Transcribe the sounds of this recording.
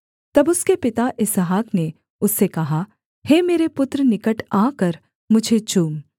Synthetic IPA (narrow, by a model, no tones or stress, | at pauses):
t̪ɐbʊskepɪt̪aʔɪsɦaːkne | ʊsːekɐɦa | heːmeːɾepʊt̪ɾənɪkəʈaːkəɾ | mʊd͡ʒʱet͡ʃuːm